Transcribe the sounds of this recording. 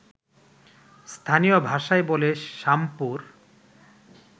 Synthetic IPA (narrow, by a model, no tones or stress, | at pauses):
st̪ʰanijobʱaʃaeboleʃampuɾ